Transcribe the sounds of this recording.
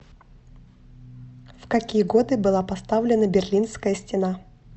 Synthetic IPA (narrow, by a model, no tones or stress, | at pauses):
fkɐkʲijəɡo̞d̪ɨbɨlˠapɐst̪avlʲɪnəbʲɪrlʲinskəjəsʲtʲɪna